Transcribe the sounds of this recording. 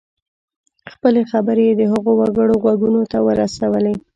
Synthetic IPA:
xpəlexabəɾeed̪əɦəɣowaɡəɽoɣwaɡunot̪awəɾasawəle

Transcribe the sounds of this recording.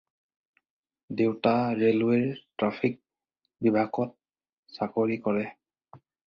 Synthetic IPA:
dewtaɹelweɹtɹapʰik̚ | bibʱaɡɔt̚ | sakoɹikɔɹɛ

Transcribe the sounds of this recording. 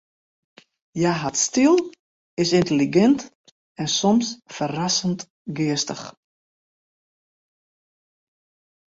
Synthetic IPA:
jaɦatstilˠ | ɪsɪntəliɡɛnt | ɛnsɔmsfərasənt | ɡɪəstəx

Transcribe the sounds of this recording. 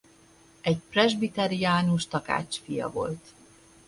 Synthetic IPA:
ɛɟprɛʒbit̪ɛɾiaːnuʃt̪ɒka̰ːt͡ʃfijɒ̰vo̞̰lt̪

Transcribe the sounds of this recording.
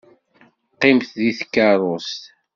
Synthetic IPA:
qːɪmθðiθkːaɾˤost̪

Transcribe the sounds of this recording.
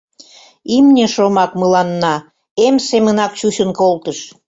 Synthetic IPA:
imnʲeʃomɑkməlɑnːɑ | emsemənɑkt͡ɕuɕənkolt̪əʃ

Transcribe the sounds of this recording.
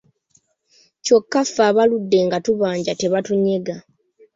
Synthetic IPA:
co̞kːafːaːβaludːe̞ŋɡatuβaːɲɟate̞βatuɲe̞ɡa

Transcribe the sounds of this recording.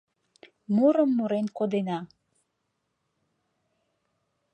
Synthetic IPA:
muɾəmːuɾenkod̪enɑ

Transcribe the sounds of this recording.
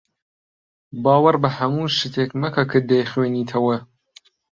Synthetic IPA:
bɑːwɐɾbɐhɐmuːʃɨt̪ʰeːkmɐkʰɐkʰɨd̪ejχweːniːt̪ʰɐwɐ

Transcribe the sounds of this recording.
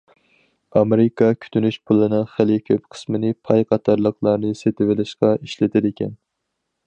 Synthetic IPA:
ɑmeɾɪkʰɑkʲʰy̥t̪ʰynyʃpʰulˠɨnɨŋχɪlɪkʲʰøpqʰə̥smɪnɪpʰɑjqʰɑt̪ʰɑɾlˠəqʰlˠɑɾnɨset̪ʰɪwɪlɪʃqɑiʃlɪt̪ʰɪd̪ɪkʲɛn

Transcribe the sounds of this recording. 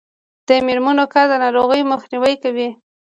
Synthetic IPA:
d̪̥əmɪɾmanokaɾd̪anaɾoɣəjməxniwəjkawi

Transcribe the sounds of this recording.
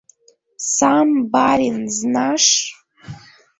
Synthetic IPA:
sambaɾinznaʂ

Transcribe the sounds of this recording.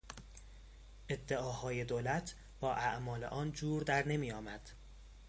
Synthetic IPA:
ʔe̞d̪ːeɒːhɒːje̞d̪olæt̪ʰ | b̥ɒːʔæʔmɒːle̞̰ʔɒːnd͡ʒuːɾd̪æɾne̞miːjɒːmæd̪̥

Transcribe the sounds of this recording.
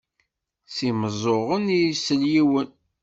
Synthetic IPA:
siməzˤoʁənijisəljiwən

